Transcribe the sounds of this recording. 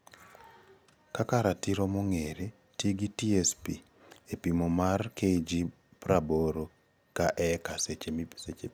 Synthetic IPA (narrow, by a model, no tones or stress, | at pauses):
kakaɾatiɾomoŋeɾe | tiɡitiɛspi | epimomarkeid͡ʒi | pɾaboɾo | kaʔɛkaset͡ʃeset͡ʃe